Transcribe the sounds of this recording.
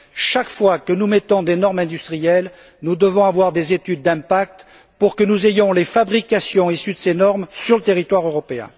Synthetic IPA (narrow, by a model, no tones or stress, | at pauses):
ʃakfwakənumɛt̪ɔ̃d̪enɔʁmɛ̃d̪yst̪χijɛl | nud̪əvɔ̃avwaʁd̪ezet̪yd̪̚ːɛ̃pak̚t̪ | puʁkənuzejɔ̃lefabʁikasjɔ̃isyd̪əsenɔʁmsyʁlət̪eʁit̪waʁøʁɔpeɛ̰̃